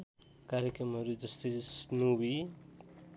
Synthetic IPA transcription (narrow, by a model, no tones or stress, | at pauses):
kaɾjekrʌmɦʌɾud͡zʌst̪ʌjsnubi